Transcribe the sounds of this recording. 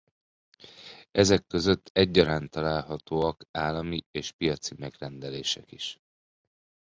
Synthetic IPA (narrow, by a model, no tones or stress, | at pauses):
ʔɛzɛkːø̞zø̞t̪ʰːɛɟːɒɾaːnt̪ɒlaːlɦɒt̪oːɒkaːlːɒmieːʃpijɒt̪simɛɡrɛnd̪ɛleːʃɛkiʃ